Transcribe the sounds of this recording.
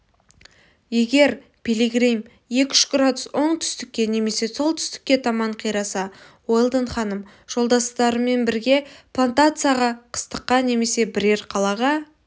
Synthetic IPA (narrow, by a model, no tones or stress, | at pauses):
je̞ɡʲe̞ɾ | pʲeliɡrijm | je̞kʲʏ̥ʃɡrad̪ʊswo̞ɴt̪ʰʏ̥st̪ɪkʲːe̞ne̞me̞se̞so̞lˠt̪ʰʏ̥st̪ɪ̥kʲːe̞t̪ʰɑmɑɴqʰijɾɑsɑ | wojlˠd̪əɴχɑnəm | ʒ̥o̞lˠd̪ɑst̪ɑɾəme̞nbɪɾɡʲe̞pʰlˠant̪at̪sɨjaʁɑqʰə̥st̪əqːɑne̞me̞se̞bɪɾe̞ɾqʰɑlˠɑʁɑ